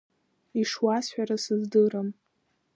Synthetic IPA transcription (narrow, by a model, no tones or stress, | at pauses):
iʂwasħᶣaɾasɨzdɨɾam